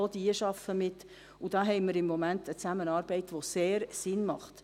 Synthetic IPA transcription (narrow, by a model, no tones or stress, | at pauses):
oldiəʃɑfːəmɪt̪ | ud̥ɑːɦɛɪməɾɪmːɔmæntət͡sæmənɑːɾbɛɪtʋoseːɾsɪnmɑχt̪